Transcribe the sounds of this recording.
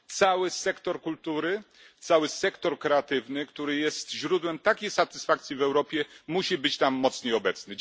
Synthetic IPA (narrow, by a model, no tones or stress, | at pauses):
t̪sawɘsɛkt̪ɔɾkult̪uɾɘ | t̪sawɘsɛkt̪ɔɾkɾɛat̪ɘvnɘkt̪uɾɘjɛst̪ʑɾud̪wɛmt̪akʲejsat̪ɘ̥sfak̚t̪sʲjivɛwɾɔpʲjɛmuɕibɘt͡ɕt̪amːɔt̪sɲejɔbɛt̪snɘ